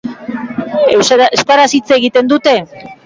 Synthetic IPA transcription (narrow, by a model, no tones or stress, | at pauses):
eeskaɾasit͡seɣit̪e̞nd̪ut̪e̞